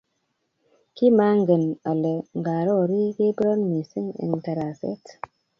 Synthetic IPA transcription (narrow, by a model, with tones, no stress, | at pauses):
ki˦ma˦ŋɡə˨na˨le˨ŋɡa˨ɾɔ˦˨ɾi˦ɡe˦bɾa˦nmi˨si˦ŋḭ˨nta˨ɾa˨sḛ˦t